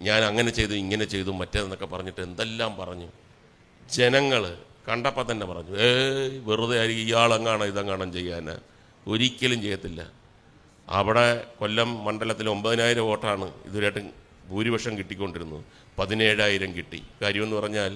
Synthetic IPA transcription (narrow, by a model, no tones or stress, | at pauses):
ɲaːnɐŋːɐne̞t͡ɕe̞jt̪uiŋːɐne̞t͡ɕe̞jt̪umːɐtːeenːo̞kːe̞pɐrɐɲːiʈːɨe̞nd̪e̞lːaːmpɐrɐɲːu | d͡ʑe̞nɐŋːɐɭkɐɳɖɐpːɐt̪ːɐnːepɐrɐɲːueʋiruðɐjaːɾikʲːijaːɭeŋːaːɳɐiðɐŋkːaːɳɐmt͡ɕe̞jːaːna̰ | o̞ɾikʲːɐlumt͡ɕe̞jːɐt̪ːilːɐ̰ | ɐ̰ʋiɽe̞ko̞lːɐmːɐɳɖɐlɐt̪ːilo̞mbɐðinaːjiɾɐmo̞ːʈraːɳɨḭðoɾjaːʈ̬ːɨ | bʱuːɾibɐʂɐmkiʈːikʲːo̞ɳɖiɾunːṵ | pɐðine̞ːɻaːjiɾɐmkiʈːḭkaːɾjɐmenːɨpɐrɐɲːaːl